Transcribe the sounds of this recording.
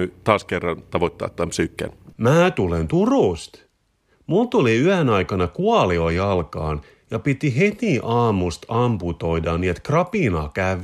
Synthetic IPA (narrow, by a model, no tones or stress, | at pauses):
yt̪ɑːskerːɑnt̪ɑʋot̪ʲːɑ̰ːt̪ːæmpsyːkːæ̰nmæːt̪ulent̪uruˑst̪ | mult̪uliyænɑjkɑnɑkuɑliojɑlkɑ̰ːn | jɑpit̪iɦet̪iʔɑːmust̪ɑmput̪o̞idɑnːiːet̪krɑpinɑːkæʋ